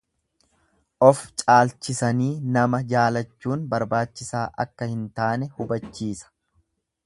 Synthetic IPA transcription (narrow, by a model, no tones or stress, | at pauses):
ʔɔft͡ʃʼaːlt͡ʃːɪsɐniːnɐmɐd͡ʒaːlɐt͡ʃːuːnbɐɾbaːt͡ʃːɪsaːʔɐ̰kːɐhɪnt̪aːnɛhʊbɐt͡ʃːiːsɐ̥